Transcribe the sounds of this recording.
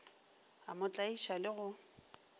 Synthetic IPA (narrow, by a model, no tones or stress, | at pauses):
amʊt͡ɬʼaiʃalɪɣʊ